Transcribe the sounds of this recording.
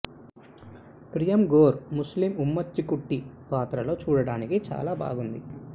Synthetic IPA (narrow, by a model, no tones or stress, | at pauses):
pɾijɐmɡoːɾmuslimumːɐt͡ʃːikuʈːipaːt̪ɾɐlo̞ːt͡ʃuːɽɐɽaːnikit͡ʃa̰ːlaːba̰ːɡund̪i